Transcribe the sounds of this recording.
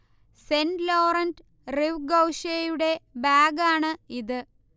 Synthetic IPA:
senɖloːrɐnd | riʋɡɐwʂejuɽe̞baːɡaːɳɨiðɨ

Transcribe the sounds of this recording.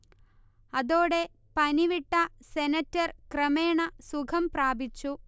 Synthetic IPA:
ɐðo̞ːɽe̞ | pɐniʋiʈːɐsenɐtːɐrkrɐmeːɳɐsukʰɐmpraːbit͡ɕːu

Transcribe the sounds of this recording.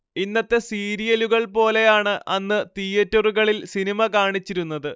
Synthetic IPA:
inːɐt̪ːe̞siːɾijɐluɣɐɭpo̞ːle̞jaːɳɨʔɐnːɨt̪ijɐtːɐruɣɐɭilsinimɐkaːɳit͡ɕːiɾunːɐðɨ

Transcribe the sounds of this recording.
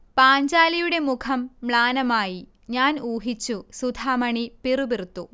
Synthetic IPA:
paːɲd͡ʑaːlɐjuɽe̞mukʰɐmːɭaːnɐmaːji | ɲaːnuːɦit͡ɕːusud̪ʱaːmɐɳipirubirt̪ːu

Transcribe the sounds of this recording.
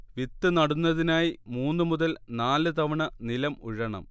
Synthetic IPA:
ʋit̪ːɨnɐɽunːɐðinaːjimuːnːɨmuðɐlnaːlɨt̪ɐʋɐɳɐnilɐmṵɻɐɳɐ̰m

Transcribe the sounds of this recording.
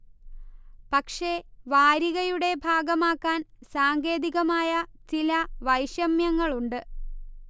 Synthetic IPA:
pɐkʂe̞ʋaːɾiɣɐjuɽe̞bʱaːɡɐmaːkːaːnsaːŋɡe̞ːðiɣɐmaːjɐt͡ɕilɐʋɐjɕjɐmjɐŋːɐɭuɳɖɨ

